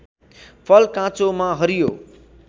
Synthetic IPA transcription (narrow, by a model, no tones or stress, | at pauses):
pʰʌlkãt͡somãɦʌɾijo